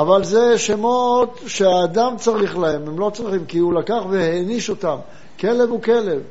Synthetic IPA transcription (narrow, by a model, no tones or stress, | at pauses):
avalzeʃemot̪ʃeaːd̪amt͡saʁiχlahe̞memlo̞t͡sʁiχimkiulakaχveheniʃo̞tam | ke̞le̞vuke̞le̞v